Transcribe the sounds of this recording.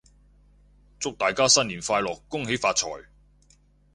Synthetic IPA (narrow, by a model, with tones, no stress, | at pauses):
t͡sʊ˥k̚t̪aː˨˩jkaː˥sɐ˥nliː˨˩nfaː˧jlɔː˨kːʊ˥ŋɦe˨˥jfaː˧t̚t͡ʃʰɔ̰ː˨˩j